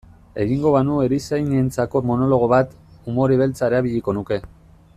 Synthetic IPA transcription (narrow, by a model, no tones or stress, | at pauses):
e̞ɣiŋɡo̞βanue̞ɾisajnent͡sako̞mo̞no̞lo̞ɣ̞o̞βat̪umo̞ɾiβe̞lt͡saeɾaβiʎiko̞nuke̞